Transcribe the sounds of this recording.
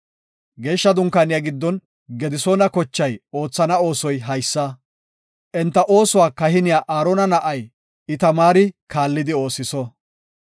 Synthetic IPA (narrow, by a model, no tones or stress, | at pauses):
ɡe̞ːʃːɐd̪ʊŋkaːnɪjaɡɪd̪ːɔn | ɡɛd̪ɪsoːnɐkɔt͡ʃːɐjo̞ːt͡sːɐnɐo̞ːsɔjɦɐjsːɐ | ʔɛnt̪ːɐʔo̞ːsʊwaːkɐhɪnɪjaːʔaːɾɔnɐnɐʔɐj | ɪt̪ɐmaːɾɪkaːlːɪd̪ɪo̞ːsɪsɔ